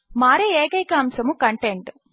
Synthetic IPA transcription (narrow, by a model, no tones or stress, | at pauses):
maːɾeeːkɐjkɐːmsɐmukɐɳʈeɳʈ